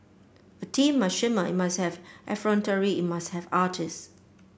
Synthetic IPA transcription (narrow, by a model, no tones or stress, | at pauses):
ətʰĩmːasʃɪməɪt̚mashɛvʔɛfɹɔ̃ntəɹiit̚mashɛvaːtʰɪs